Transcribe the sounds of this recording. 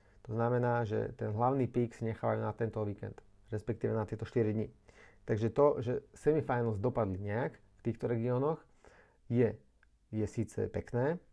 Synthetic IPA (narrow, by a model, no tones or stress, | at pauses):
t̪ɔznamɛnaːʒɛ̰t̪ɛnɦlaʊniːpiːksiɲɛxaːʋajuːnat̪ɛnt̪ɔʋiːkɛ̰nt̪ | ɾɛspɛkt̪iːʋɛnat̪ɪɛt̪ɔʃt̪iɾid̪ɲit̪aɡʒɛt̪ɔʒɛsɛmifajnl̩zd̪ɔpad̪liɲɛak | ft̪iːxt̪ɔɾɛɡiɔːnɔx | jɛ | jɛsiːt͡sɛ̰pɛknɛː